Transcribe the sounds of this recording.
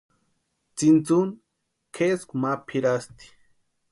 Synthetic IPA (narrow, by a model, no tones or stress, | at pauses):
t͡sint͡sun | kʰeskumapʰiɾast̪i̥